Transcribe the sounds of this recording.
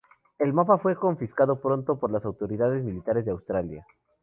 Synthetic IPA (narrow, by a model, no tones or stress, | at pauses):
e̞lmapafwe̞ko̞ɱfiskaðo̞pɾo̞nt̪o̞po̞ɾlasawt̪o̞ɾiðaðe̞zmilit̪aɾezðeawst̪ɾalja̰